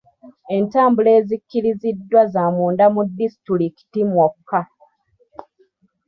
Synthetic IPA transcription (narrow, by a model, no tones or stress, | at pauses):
e̞ntaːmbule̞ːzikːiɾizidːwazamuːndamudːisi̥tɾuliki̥timwokːa